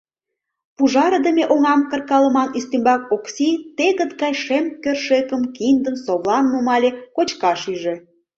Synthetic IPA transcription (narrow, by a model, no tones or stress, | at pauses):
puʒɑɾəd̪əmʲeʔoŋɑmkə̆rkɑlə̆mɑnyst̪imbɑkoksʲit̪eɣə̆t̪ɡɑjʃemkørʃekə̆mkind̪əmsoβlɑnːumɑlʲekot͡ɕkɑʃyʒĕ